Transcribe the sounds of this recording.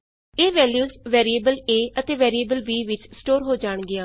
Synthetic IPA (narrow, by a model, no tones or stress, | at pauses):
eːʋɛːljuːzʋɛːɾieːbəleːʔət̪eːʋɛːɾiebəlʋiːʋɪt͡ʃsʈoːɾɦoːd͡ʒaːɳɡɪãː